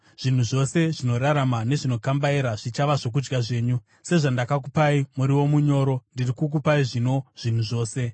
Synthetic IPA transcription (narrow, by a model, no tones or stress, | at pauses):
ʐ̥in̤uʐo̞se̞ʐino̞ɾaɾamane̞ʐino̞kambaeɾaʐit͡ʃaʋaʐok̬ud͡ʒɡaʐe̞ːɲu | se̞ʐandakak̬upaimuɾiwo̞muɲo̞ːɾo̞ndirikuk̬upaiʐino̞ʐ̥in̤uʐo̞ːse̞